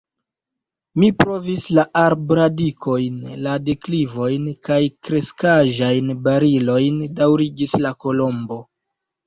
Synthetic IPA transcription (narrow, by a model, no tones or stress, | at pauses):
mipɾo̞vislaʔaɾbɾadiko̞jnlade̞klivo̞jnkajkɾe̞skaʒajnbaɾilo̞jndawɾiɡislako̞lo̞mbo̞